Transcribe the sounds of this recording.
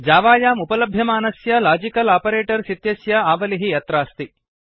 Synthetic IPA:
d͡ʒaːʋaːjaːmupɐlɐbʱjɐmaːnɐsjɐlaːd͡ʒikɐlaːpɐɾeːʈɐɾsit̪jɐsjɐaːʋɐliɦijɐt̪ɾaːst̪i

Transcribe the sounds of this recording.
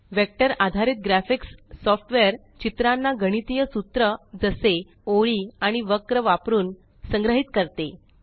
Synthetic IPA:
ʋek̚ʈəɾad̪ʱaɾiːt̪̚ɡɾæfiksːɔfʈʋeəɾ | t͡ɕit̪ɾanːaɡəɽ̃it̪ijəsut̪ɾəd͡zəse | oɭiːaɽ̃iʋəkɾəʋapɾuːn | səŋɡɾəɦit̪kəɾt̪e

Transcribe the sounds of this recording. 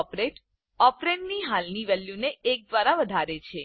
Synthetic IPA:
pɾeʈ | ɔpɾeʈniɦalniʋɛljuneʔːk̚d̪ʋaɾaʋəd̪ʱaɾet͡ʃʰe

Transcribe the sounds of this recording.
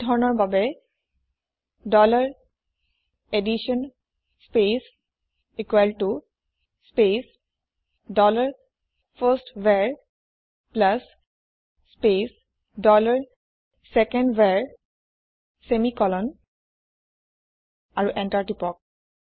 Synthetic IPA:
dʱɔɹɔnɔɹbabɛ | dɔlaɹ | ediʃɔn | spes | ekwɛltu | spes | dɔlaɹ | fʰəstwɛɹ | plasː | pes | dɔlaɹ | sɛkɛndwɛɹ | semikɔlɔn | aɹuʔɛ̃ntaɹʈipɔk̚

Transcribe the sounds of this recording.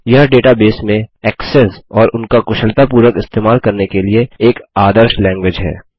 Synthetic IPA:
jɐɦɖeːʈabeːsmẽɛːksɛsɔːɾʊnkakʊʃəlt̪ap̬uːɾwəkɪst̪eːmaːlkɐɾnekelieeːkaːd̪əɾʃlɛ̃ːŋɡwɪd͡ʒɦɛ̰ː

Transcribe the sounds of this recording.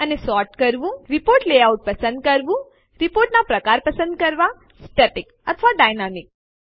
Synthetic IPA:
ənesɔɾʈkəɾʋũɾipoɾʈleauʈ̚pəsə̃nd̪̚kəɾʋũ | ɾipoɾʈnapɾəkaɾpəsənd̪̚kəɾʋa | sʈəʈik | ət̪ʰəʋaɖajnamik̚

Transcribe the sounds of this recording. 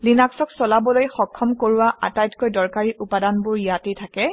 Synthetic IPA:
linaksɔksɔlabɔlojxɔkʰːɔmkoɹʊwaʔatajtkojdɔɹkaɹiʔupadanbʊɹijatetʰakɛ

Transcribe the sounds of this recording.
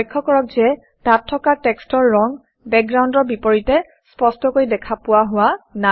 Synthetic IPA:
jkʰːɔkɔɹɔk̚zɛ | tatʰːɔkatɛkstɔɹːɔŋ | bɛk̚ɡɹaw̃ndɔɹbipoɹitɛ | spɔstɔkoɹidɛkʰapʊwaɦʊwana

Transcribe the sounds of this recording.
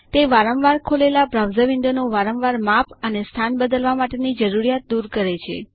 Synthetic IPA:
t̪eʋaɾəʋʋaɾkʰolelabɾawzəʋɪ̃nd̪onoʋaɾəʋʋaɾmapʰənest̪ʰanbəd̪əlʋamaʈenid͡ʒəɾuɾijat̪̚d̪uɾkəɾet͡ʃʰḛ

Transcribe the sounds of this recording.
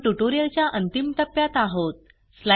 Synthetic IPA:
ʈuʈoɾijəlt͡ɕjaʔənt̪imt̪əpːjat̪aɦot̪̚ | sla

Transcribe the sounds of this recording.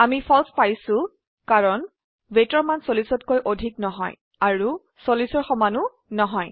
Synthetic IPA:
amipʰɔlspajsʊ̃ | kaɹɔn | betɔɹmansolisɔtkojʔodʱiknɔɦɔ̰j | aɹu | solisɔɹxɔmanu | nɔɦɔj

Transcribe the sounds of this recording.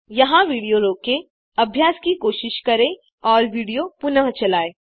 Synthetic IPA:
jɐɦãʋiːɽijoɾoːke | ɐbʱjaːskikoːʃɪʃkɐɾẽ | ɔːɾʋiːɽijopʊnəɦt͡ʃɐlaːeː

